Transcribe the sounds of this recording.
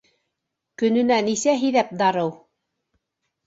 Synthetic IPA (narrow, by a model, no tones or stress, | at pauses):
kɵ̆nɵ̆nænisæɦiðæp̚d̪ɑɾɤw